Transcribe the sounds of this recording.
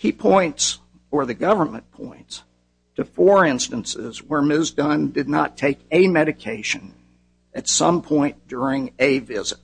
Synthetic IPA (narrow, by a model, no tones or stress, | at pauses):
hipʰɔ̃ɪ̃nts | ə˞ðɨɡʌvə˞mɨ̰̃npʰɔ̰̃ɪ̃nts | tʰɨfɔɹɪ̃nstɨ̃nsɪ̰zwə˞mɪzdə̃ndɨdⁿnətʰeɪkɨmɛɾɨkʰeɪʃɨ̃n | ɨtsʌ̃mpʰɔ̃ɪ̃nd̥ʊɹɪ̃ŋɨvɪzɨt̚